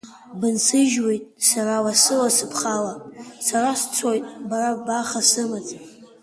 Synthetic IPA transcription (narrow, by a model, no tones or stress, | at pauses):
bɨnsɨʒwe̞jtʼsaɾawasɨlasɨpʰχalasaɾast͡sʰojtʼbaɾabaχasɨmat͡sʼ